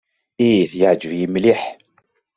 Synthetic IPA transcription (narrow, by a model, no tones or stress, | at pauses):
iθjad͡ʒvimliħ